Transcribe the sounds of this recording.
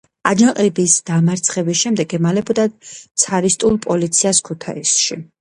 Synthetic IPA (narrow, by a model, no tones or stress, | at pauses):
ad͡ʒaqʼibisd̪̥amaɾt̪sʰχɛbis̬ʃɛmd̪ɛɡɛmalɛbɔd̪at̪sʰaɾist̪ʼulˠpʼɔlit̪sʰiaskʰut̪ʰa̰isʃi